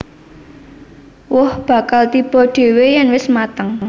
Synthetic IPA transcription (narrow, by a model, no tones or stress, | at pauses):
wʊhb̥ä̤kalt̪ib̥ɔ̤ɖ̥e̤wejɛnwɪsmat̪əŋ